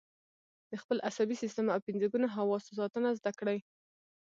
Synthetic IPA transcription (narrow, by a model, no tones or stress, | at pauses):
d̪̥əxpəlʔasabisist̪əmawpɪnzaɡunaɦawɑsos̬ɑt̪ənazd̪akɽaj